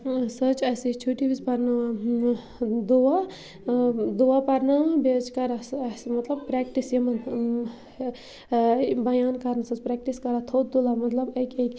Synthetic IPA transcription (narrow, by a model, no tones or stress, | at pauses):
sət͡ʃɐsit͡ʃʰuʈibizpɐɾnaʋã | d̪ua | d̪uʋapɐɾnabed͡ʒkɐɾasɐsimɐt̪lɐb̚pɾɛːk̚ʈisjɐmɐn | bɐjaːnkɐɾnasɐt͡ʃpɾɛːk̚ʈiskɐɾat̪ʰoːt̪̚d̪ulamɐt̪lɐbekʲekʲ